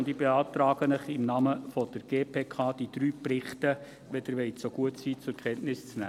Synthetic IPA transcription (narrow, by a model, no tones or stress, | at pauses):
ʊndibeɑːt̪ɾɑːɡ̥ənəχɪmnɑːməfɔd̥əɾɡ̥eːpʰeːkʰɑːd̥id̥̪ɾyːprɪχtə | ʋɛd̥̪əɾʋɛɪtsoɡ̥uətsiːt͡sʊɾkʰχɛnʔnɪst͡snæ̰ː